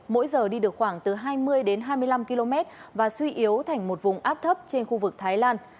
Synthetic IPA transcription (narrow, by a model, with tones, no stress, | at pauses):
mo̰˧˥jzəː˨˩ɗi˧ɗɨ˨˩ək̚xwaː˧˩ŋt̪ɨ˨˩ɦaː˧jmɨ˧əjɗe˨˦nɦaː˧jmɨ˧əjla˧mki˧lo˧mɛ˦˥t̚vaː˨˩swi˧ʔi˨˦əwt̪ʰa˨˩jŋ̟mo˨˩t̚vʊ˨˩ŋ͡mʔaː˦˥p̚t̪ʰə˦˥p̚t͡ɕe˧nxu˧vɨ˨˩k̚t̪ʰaː˨˦jlaː˧n